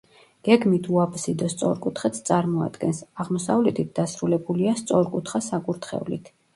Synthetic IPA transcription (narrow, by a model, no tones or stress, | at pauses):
ɡ̥ɛɡmit̪ʰuapʰsid̪ɔst̪sʼɔ̰ɾkʼut̪ʰχɛt̪st̪sʼaɾmɔa̰d̪̥ɡɛnsaʁmɔsavlɛt̪ʰit̪̚ʰd̪asɾulɛbuliast̪sʼɔɾkʼut̪ʰχasakʼuɾt̪ʰχɛ̰ulḭt̪ʰ